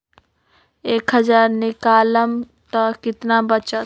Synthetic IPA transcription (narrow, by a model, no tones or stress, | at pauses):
eːkɦɐzaːɾnɪkaːləm | t̪akɪt̪nabɐt͡ʃa